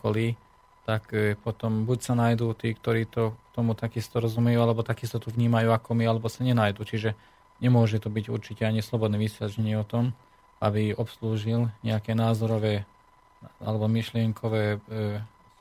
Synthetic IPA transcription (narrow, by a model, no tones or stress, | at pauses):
kɔliː | t̪akpɔt̪ɔmbucsanajd̪uːt̪iːkt̪ɔɾiːt̪ɔkt̪ɔmut̪akist̪ɔɾɔzumɛjuːalɛbɔt̪akist̪ɔt̪uʋɲiːmajuːakɔmialɛbɔsaɲɛnajd̪uːt͡ʃiʒɛ | ɲɛmʊɔʒɛt̪ɔbiɟṵɾt͡ʃicɛaɲislɔbɔd̪nɛːʋisjat͡ʃɛɲɪɛɔt̪ɔm | abiɔpsluːʒilɲɛakɛːnaːzɔɾɔʋɛː | a̰lɛbɔmiʃlɪɛŋkʰɔʋɛː